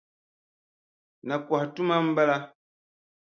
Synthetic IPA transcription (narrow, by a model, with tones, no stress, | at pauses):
na˨kwa˨htu˦ma˦m̩˦bɛ˦la˦